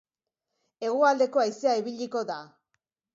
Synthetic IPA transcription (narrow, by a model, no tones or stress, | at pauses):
e̞ɣ̞uald̪e̞ko̞ajseaiβiʎiko̞ða